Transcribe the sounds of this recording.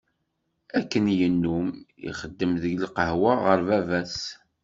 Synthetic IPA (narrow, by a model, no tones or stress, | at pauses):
ækːənjənːumḭχəd̪ːəmðəʝlqəhwaʁəɾvævæs